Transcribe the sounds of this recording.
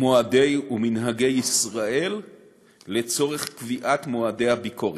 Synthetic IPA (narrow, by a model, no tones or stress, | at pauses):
moade̞juminɦaɡe̞jisʁaʔe̞lː | e̞t͡so̞ʁeχkviʔatmoade̞jhabikʰoʁ